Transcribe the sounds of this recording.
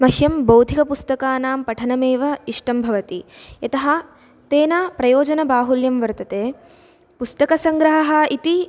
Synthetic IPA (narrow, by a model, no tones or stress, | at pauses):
mɐʃjɐmbɐwd̪ʱikɐpust̪ɐkaːnaːmpɐʈʰɐnɐmeːʋɐiʂʈɐmbʱɐʋɐt̪iɐt̪ɐɦɐ̆ | t̪eːnɐpɾɐjoːd͡ʒɐnɐbaːɦuljɐmʋɐɾt̪ɐt̪eː | pust̪ɐkɐsɐŋɡɾɐɦɐɦɐ̆it̪i